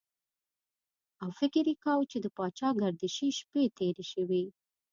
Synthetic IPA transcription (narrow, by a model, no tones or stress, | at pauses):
awfɪkɪɾjikawt͡ʃed̪əpɑt͡ʃɑɡaɾd̪iʃiʃpet̪eɾeʃəwi